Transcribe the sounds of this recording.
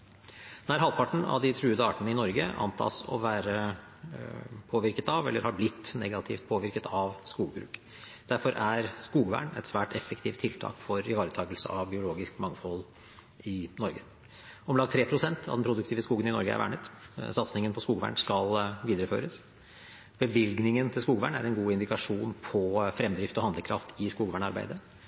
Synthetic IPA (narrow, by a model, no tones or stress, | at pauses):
d̪æːɾɦɑlpʰɑʈɳ̩ɑ̰ʋd̪ɪt̪ʰɾʉːəd̪əɑːʈənəɪnɔɾɡəʔɑ̰nt̪ʰɑ̰ːsɔ̰ʋæːɾə | pʰoːʋɪɾkət̪ɑʋɛlːəɾhɑɾblɪt̪ːnɛɡɑt̪ʰɪft̪̚pʰoːʋɪɾkət̪ʰɑʋskuːɡbɾʉ̰ːk | d̪̥æɾfɔɾʔæɾskuːɡʋæ̰ːɳɛ̰t̪sʋæːʈɛfːəkt̪ʰiːft̪ʰːɪlt̪ʰɑ̰ːkfɔɾɪʋɑːɾət̪ʰɑːɡəlsə̰ʔɑʋbɪʊloːɡɪskmɑŋːfɔlː | ʔɪnɔɾɡə | ɔmlɑɡ̚t̪ʰɾeːpʰɾʊsɛnt̪ʰɑ̰ʋd̪ɛnpʰɾʊd̪ʉkt̪iːʋəskuːɡənɪnɔɾɡəæ̰ɾʋæ̰ːɳət̪sɑt̪snɪŋənpʰɔskuːɡʋæ̰ːɳskɑlʋiːd̪ɾəfø̰ːɾəs | b̥əʋɪlɡnɪŋənt̪ʰɪlskuːɡʋæːɳæ̰ɾɛnɡuːɪnd̪ɪkɑʂuːnpʰɔfɾɛmd̪ɾɪft̪ɔhɑnd̪ləkʰɾɑ̰ft̪ʰɪskuːɡʋæːɳɑɾbæ̰ɪd̪ə